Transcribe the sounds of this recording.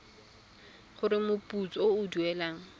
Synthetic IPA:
χʊɾɪmʊpʼut͡sɔoʊduɛlaːŋ̩

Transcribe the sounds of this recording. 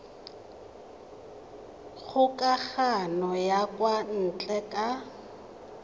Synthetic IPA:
ɣʊkʼaɣanɔjakwan̩t͡ɬʼɛkʼa

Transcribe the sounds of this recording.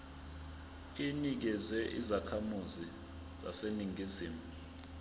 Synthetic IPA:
inik̬ɛzɛʔḭzakʰamuzi | za̰seniŋʱiziːmu

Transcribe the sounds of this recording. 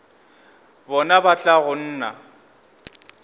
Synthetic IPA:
bɔnabat͡ɬʼaɣʊn̩ːna̰

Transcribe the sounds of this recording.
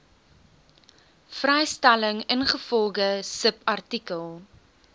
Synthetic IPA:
frɛjstæləŋənχəfɔlˠχəsəpɐrtikəlˠ

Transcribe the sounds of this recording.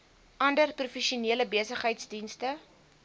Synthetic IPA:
ʔɐndərprufɛʃiuniələbeəsəχɦəjtsdinstə

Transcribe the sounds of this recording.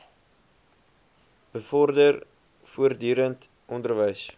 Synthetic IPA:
b̥əfɔrdər | fuərdyːɾənt | ʔɔndərvəjs

